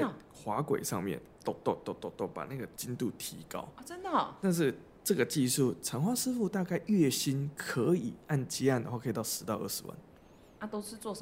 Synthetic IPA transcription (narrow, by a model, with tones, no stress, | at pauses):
t͡sa˥˩ɪ˩ | xwa˧˥kwḛ˨˩ɪʂɑ̰˥˧ŋmjɛ̰˥˨nt̪o˥˧ʊt̪o˥˧t̪o˥˧t̪o˥˧t̪o˥˩pa̰˨˩na˥˩ɡə˩t͡ɕi˦nt̪u˥˩t̪ʰi˧˦kɑ̰˦˥ʊɔ˨˩t͡sə˦nd̪ə˨t̪a˥˧nʂ̬ɻ̩˥˩ | ʈ͡ʂɤ˥˩ɡə˩t͡ɕi˥˧ʂu˥˩ʈ͡ʂʰə˧˥ŋxwa˥sɻ̩˥fu˥˧t̪a˥˧ka˥˧ɪʔɥɛ˥˩ɕi˦˥nkʰɤ˧˦ḭ˨˩˦a˥˩nt͡ɕi˥˦a˥˩nd̪ə˨˩xwa˥˩kʰɤ˧i˨t̪ɑ˥˩ʊʂɻ̩˧˦t̪ɑ˥˧ʊə̰˥˩ʂ̩˧˦wa̰˥˩n | a˥˧t̪o˥ʊʂɻ̩˥˧t͡swɔ˥˩ʂə˨